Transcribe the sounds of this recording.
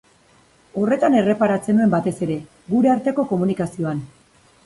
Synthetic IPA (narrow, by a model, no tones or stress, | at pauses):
o̞re̞t̪ane̞re̞paɾat͡se̞nue̞mbat̪e̞se̞ɾe̞ | ɡuɾe̞aɾt̪e̞ko̞ko̞munikasio̞an